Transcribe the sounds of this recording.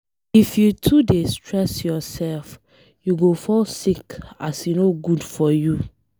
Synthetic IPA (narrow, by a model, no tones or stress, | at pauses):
ifjutʰudestɹɛsjɔsɛlf | juɡofɔlsikasjunoɡudfɔju